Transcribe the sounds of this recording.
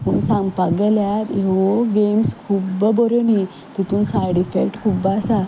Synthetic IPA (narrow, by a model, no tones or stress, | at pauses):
puɳsãmpaɡeljat̪eʋoɡemskʰubəbɔɾoni | t̪it̪uːnsaɾɖifekʈkʰubasa